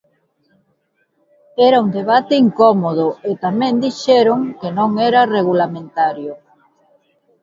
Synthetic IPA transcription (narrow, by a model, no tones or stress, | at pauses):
ɛɾaund̪eβat̪ɪiŋkɔmoðʊet̪amẽnd̪iʃɛɾoŋkenõŋɛɾɐreɣulamẽnt̪aɾjo